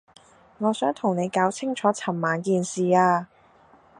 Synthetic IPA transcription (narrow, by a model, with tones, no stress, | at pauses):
ŋɔː˨˧sœː˨˥ŋt̪ʰʊ˨˩ŋne˨˧jkaː˨˥wt͡sʰɪ˥ŋt͡ʃʰɔː˨˥t͡sʰɐ˨˩mːaː˨˧nkiː˨nsiː˨aː˧